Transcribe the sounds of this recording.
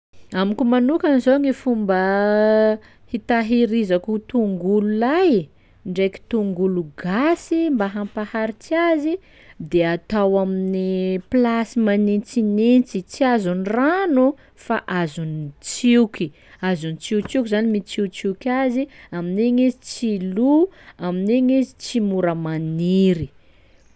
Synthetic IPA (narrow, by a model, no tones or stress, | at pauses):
amikumanukanizoŋifumbə | hit̪aɦiɾizakut̪uŋɡululaj | ɳɖ͡ʐejki̥t̪uŋɡuluɡasimbaɦampahaɾit͡siazi | d̪eat̪awaminiplasimanint͡sinent͡sit͡siazuniranu | fa̰ʔazunit͡siwkʲi | azunit͡siut͡sikʲizanimit͡sit͡siwkʲaziamineɲezi̥t͡siluamineɲezi̥t͡simuɾəmaniɾi